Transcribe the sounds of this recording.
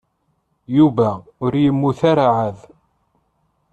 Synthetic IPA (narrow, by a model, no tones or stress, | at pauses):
juvæʊɾjəmːuθaɾaʕað